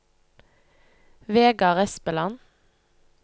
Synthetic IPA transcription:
ʋeːɡɑʁɛspəlɑn

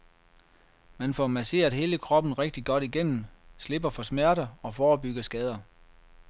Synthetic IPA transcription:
mænfɒmæse̝̰ːɐðˠɦe̝ːləkʰʁɒ̽b̥n̩ʁeɡ̥̚d̥iɡ̥ɒ̽d̥iɡ̥en̰m̩sle̝b̥ɐfɒ̽smæɐ̰ɾɐɒ̽fɒːb̥yɡ̥ɐsɡ̥ɛːð̞ˠɐ

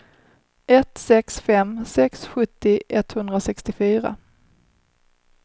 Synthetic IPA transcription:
ɛt̪sɛksfɛmsɛksɧɵt̪ːɪʔɛt̪hɵnd̪ɾasɛkst̪ɪfyːɾa̰

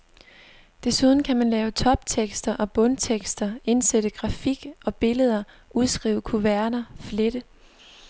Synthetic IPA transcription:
d̥e̝suð̞ˠn̩kʰæmænlɛːʊt͡sʰɒ̽b̥̚t͡sʰeɡ̥sd̥ɐʔɒ̽b̥ɔ̽nt͡sʰeɡ̥sd̥ɐe̝nsed̥əɡ̥ʁɑ̈fiɡ̥ʔɒ̽b̥e̝ləð̞ˠɐ | ʔuðˠsɡ̥ʁḭːʊəkʰuʋæɐnɐfle̝d̥ə

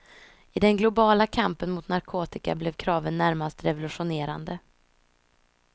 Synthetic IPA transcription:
ɪd̪ɛnɡlʊbɑːlakʰampənmʊt̪naɾkʰoːt̪ɪka̰blɛvkʰɾɑːvənːæɾmast̪ɾɛvʊlɵɧʊneːɾa̰nd̪ə

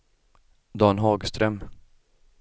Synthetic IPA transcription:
d̪ɑːnɦɑːɡst̪ɾœm

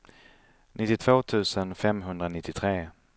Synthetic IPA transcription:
nʔɪt̪ːɪt̪ʰv̥oːt̪ʰʉ̟ːsənfɛmɦɵnd̪ɾanɪt̪ːɪt̪ʰɾeː

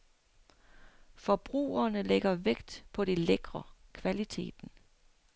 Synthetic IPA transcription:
fɒ̽b̥ʁṵːɐnəleɡ̥ɐʋeɡ̥d̥pʰɒ̽ɾ̥eleɡ̥ʁɐkʰʋælit͡sʰe̝̰ːd̥n̩

